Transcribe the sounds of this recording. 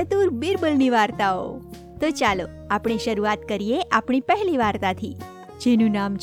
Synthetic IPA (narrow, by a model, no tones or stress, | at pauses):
ət̪uɾbiɾbəlniʋaɾt̪ao̰ | t̪ot͡ʃalo | apɽ̃eʃəɾuat̪kəɾijeʔapɳ̃ipəɦɛliʋaɾt̪at̪ʰi | d͡ʒenũnamt͡ʃ